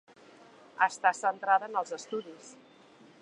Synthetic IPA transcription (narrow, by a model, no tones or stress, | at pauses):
əst̪asənt̪ɾaðənəlˠzəst̪uðis